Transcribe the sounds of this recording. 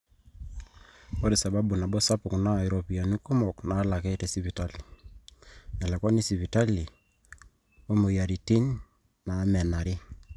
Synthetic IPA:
o˦ɾi˨sa˨ba˦bu˨na˨bɔ˦sa˦pʊ˨kna˦˨ɪ˨ɾɔ˨pi˨a˨nu˦ko˦mɔ˨knaː˨˦la˨kɛ˦tɛ˨si˦pi˨ta˦li˨ | nɛ˨lɛ˨kɔ˦ni˦si˨pi˨ta˦li˨ | o˦mo˨ja˨ɾi˨ti˦n | na˨˦mɛ˨na˨ɾɪ˦

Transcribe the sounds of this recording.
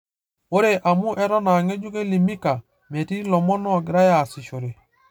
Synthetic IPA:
o˦ɾe˨ʔa˨mu˦ʔɛ˦ɾɔ˦na˨ŋe˦d͡ʒu˦ke˦li˨mi˦ka˨ | me˨ti˦lɔ˨mɔ˦nɔ˦˨ɡi˨ɾa˦ja˨si˨ʃo˨ɾe˨

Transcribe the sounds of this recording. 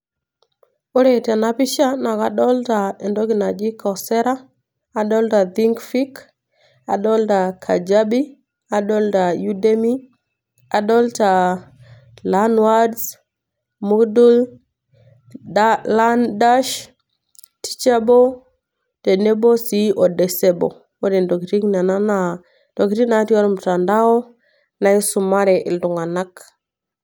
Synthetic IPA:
o˦ɾe˨ta˨na˨pi˦ʃa˦na˨ka˨ɗɔ˦lta˨e˨ndo˦ɡi˨na˨d͡ʒi˦kʰo˨se˦ɾa˦ | a˨ɗo˦lta˨di˦ŋkfi˦k | a˨ɗo˦lda˨kʰa̰˨d͡ʒa˦ɓi˦ | a˨ɗo˦lda˨ju˦de˦mi˦ | a˨ɗo˦lta˨ | la˦nwa˦ds | mu˦kdu˦l | la˦nda˦ʃ | ti̥˦t͡ʃa˦bo˦ | te˨ne˦bo˦si˨ʔo˨de˨se˦bo˨ | wo˦de˨ndo˨ki˨ti˦kna˨na˦na˦ | do˨ki˨ɾi˦na˨˦ti˦wa˦ɾu˦mta˨nda˦wo˦ | na˨i˦su˨ma˦ɾe˨ʔḭ˨ldu˨ŋa˨na˦k

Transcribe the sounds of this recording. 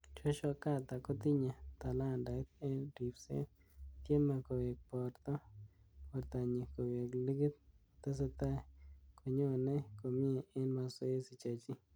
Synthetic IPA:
t͡ʃo˦t͡ʃɔ˧ka˦t̪a˨kɔ˦t̪ɪ˦ɲa˨t̪a˨la˦˨nda˨˦t̪̚ɛ˦di˨psḛ˦ | t̪je˦ma˨ko˨we˨k̚pɔ˨rt̪ɔ˦ | pɔ˨ɾt̪a˨ɲi˨ko˨we˨kli˦ɡi˦t̪̚o˨t̪a˦s̬a˦t̪a˦˨ko˨ɲo˦˨nɛ˦ko˨mɪ˦e˨ɪ˦nma˧so˦e˦si˨t͡ʃa˨t͡ʃi˦

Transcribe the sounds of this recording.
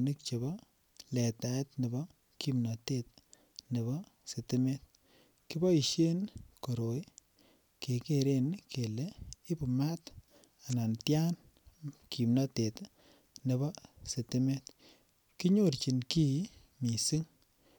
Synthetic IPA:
ni˦k̚t͡ʃe˨bɔ˦ | lɛ˨ta˨˦tne˨bɔ˦ | ki˦mnɔ˨te˦t̚ | ne˨βɔ˦ | se˨ti˦me˦t̚ | ki˦bɔ˦i˨ʃe˦nko˨ɾo˨j | ke˨ke˨ɾe˦nkʰe˨le˦i˦pu˨ma˦t | a˨na˨ntja˦n | kʰi˨mnɔ˦te˨t | ne˨bɔ˦se˨ti˦me˦t | ki˦ɲo˦˨ɾt͡ʃi˨nki˦ | mi˨si˦ŋ

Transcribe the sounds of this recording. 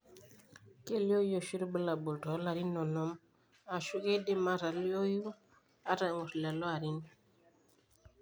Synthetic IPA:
ke˦li˦o˦jo˨ʃi˦ɾbə˦la˨bo˨ltɔ˨˦la˨ɾi˦nːɔ˨nɔ˦m | a˨ʃu˦ke˦de˦ma˦ɾa˨lo˦ju˦ | a˦ɾa˨ŋu˨ɾla˨lɔ˦a˨ɾi˦n

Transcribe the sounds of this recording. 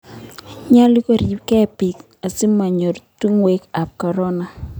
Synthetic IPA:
ɲa˦li˦ko˦˨ɾi˨pkɛ˦pi˨k | a˨sɪ˦ma˨ɲo˨ɾtu˦ŋwe˦ka˨p̚kɔ˨ɾɔ˦na˨

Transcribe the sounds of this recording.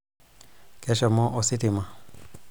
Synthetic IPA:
kɛ˨ʃɔ˨mɔ˦ʔo˨si˦ti˨ma˨

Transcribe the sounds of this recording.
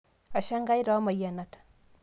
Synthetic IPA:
a˨ʃa˦ŋɡa˦jɾa˨˦ma˨ja˨na˨tḁ˨

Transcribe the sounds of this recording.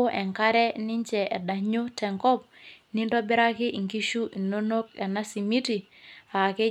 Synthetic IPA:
ʔɛ˨ŋka˦ɾɛ˦ni˦ɲt͡ʃɛ˨ʔɛ˨da˨ɲo˦tɛ˨ŋkɔ˦p̚ni˦ndɔ˦bi˦ɾa˦ki˦ʔi˨ŋki˦ʃu˦ʔi˨no˦no˦k̚ɛ˨na˦si˨mi˦ti˨ | a˨ke˦

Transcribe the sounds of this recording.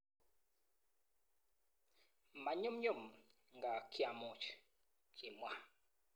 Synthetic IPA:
ma˨ɲu˦mɲu˦˨m | ŋ˨ɡa˨kja˨mu˨t͡ʃ | ki˨mwa˦

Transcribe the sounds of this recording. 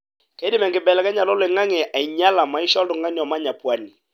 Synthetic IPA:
kɛ˦di˦mɛ˨ŋɡɪ˨bɛ˨lɛ˨kɛ˦ɲa˨lɔ˦lɪ˨ŋa˦ŋɪ˨ʔa˨i˨ɲa˦la˨ma˨ɪ˦ʃɔ˦ldʊ˨ŋa˦ni˨ɔ˨ma˦ɲa˨pwa˦ni˨

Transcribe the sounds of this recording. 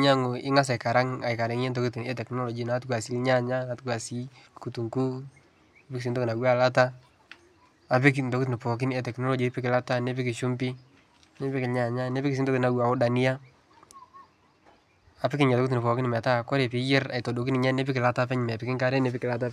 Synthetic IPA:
ɲa˦ŋʊ˨ɪ˦ŋa˦s̬a˨ɪka˨ɾa˦ŋa˨ɪ˨ka˨ɾɪ˨ŋ˦ɲe˦nt̬o˦kʊ˦ti˨nɛ˦tɛ˨knɔ˦lɔ˨d͡ʒi˦na˨˦tkua˨si˦lɲa˦ɲa˦na˨tku˨a˨si˦ | ku˨tu˨ŋku˦ | ne˦pɪ˦kɪs̬i˦ntɔ˦kna˨wa˦˨la˦t̬a˦˨ | pɪ˦knto˨kʊt̬nɪ˨pɔ˨k̬ɪ˦nɛ˦tɛ˨knɔ˦lɔ˨˦d͡ʒi˦pɪ˦kɪ˨la˦ta˦ne˦pɪ˦kɪ˨ʃu˦mpɪ˦ | ne˦pɪ˦kɪ˨lɲa˨ɲa˦ne˦pɪ˦kɪs̬i˦n˦tɔ˦na˨wa˨o˦ɗa˨ni˦a˦ | a˨pɪ˦kɪ˦ɲ˨tɔ˦kt̬nɪ˨pɔ˨kɪ˦nɪ˨mɛ˨ta˦˨kɔ˦ɾe˨pɪ˨˦jɪ˦ɾa̰˨ɪ˨to˨do˨k̬ɪ˦nɪ˨ɲa˦ne˦p̬ɪ˦kɪ˨la˦ta˦pɛ˦ɲ˨mɛ˨pɪ˨kɪ˦ŋka˦ɾɛ˦ne˨pɪ˦kɪ˨la˨˦t̬a˦

